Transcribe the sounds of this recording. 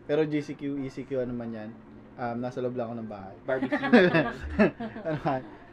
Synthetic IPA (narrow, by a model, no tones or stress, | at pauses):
pɛːɾod͡ʒisikjuʔiːsikjuɐnomɐnjɐn | ʔɐmnaːsɐloblɐkonɐŋba̰ːhɐja | t̪ɐnoɐn